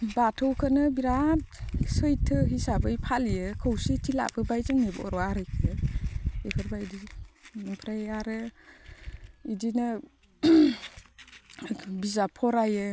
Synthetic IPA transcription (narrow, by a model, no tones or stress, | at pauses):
batʰɯwkʰɯnɯbiɾat̚sɯjtʰɯɦisabɯjpʰalijɯkʰəwsitila̰b̥ɯbajzaŋnibɔ̰ɾɔaɾɯjkʰijɯ | ekʰɯɾbajdinɔŋpʰɾajaɾɯ | idinɯ | bizapʰɔɾajɯ